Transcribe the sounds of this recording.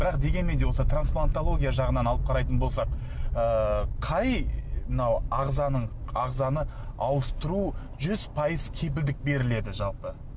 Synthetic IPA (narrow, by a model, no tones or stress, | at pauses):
b̥ɪɾɑqd̪e̞ɡʲe̞nmend̪e̞wo̞sət̪ransplˠant̪olˠo̞ɡʲijaʒɑʁənɑnɑlˠəp̚qʰɑɾɑjt̪ənbo̞lˠsɑq | əqʰɑjmɪnɑwɑʁzɑnəɴɑʁzɑnə | ɑwəst̪əɾu | ʒʏz̥pʰɑjəzkʲʰe̞p̬ɪld̪ɪk̚be̞ɾɪle̞d̪ɪʒɑlˠpə